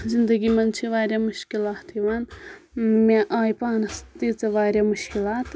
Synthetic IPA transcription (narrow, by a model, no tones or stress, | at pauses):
zind̪ɐɡimɐnt͡ʃʰiʋaːɾjamʊʃkilaːt̪ʰiʋaːn | meʔaːjpaːnɐst̪iːt͡sɐʋaːɾjamuʃkilaːt̪